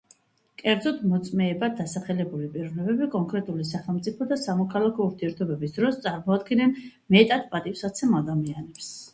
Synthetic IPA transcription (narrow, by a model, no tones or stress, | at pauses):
kʼɛɾd̪zɔt̪mɔt̪sʼmɛːbad̪asaχɛlɛbulipʼiɾɔnɛbɛbikʼɔŋkʼɾɛt̪ʼulisaχɛlˠmt̪sʼipʰɔd̪asamɔkʰalakʰɔuɾt̪ʰiɛɾt̪ʰɔbɛbisd̪̥ɾɔst̪sʼaɾmɔad̪ɡinɛn | mɛt̪ʼat̪̚pʼat̪ʼifsat̪sʰɛmad̪amianɛps